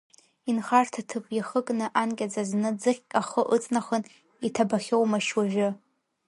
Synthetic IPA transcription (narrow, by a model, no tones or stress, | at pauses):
inχartʰatʰɨpʼjaχəkʼnɨʔankʲʼad͡zaznɨd͡zɨχʲkʼaχəʔɨt͡sʼnaχən | itʰabaχʲowmaʃwaʒᶣʊ